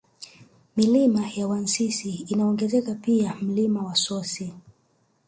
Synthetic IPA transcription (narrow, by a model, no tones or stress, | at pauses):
milimajawansisiːnaɔŋɡɛzɛkapiam̩limawasɔsi